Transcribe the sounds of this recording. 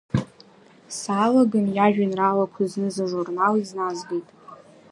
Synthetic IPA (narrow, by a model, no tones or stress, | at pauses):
saːlaɡɨnjaʒᶣanralakʷʰaznɨzaʐurnaliznazɡejtʼ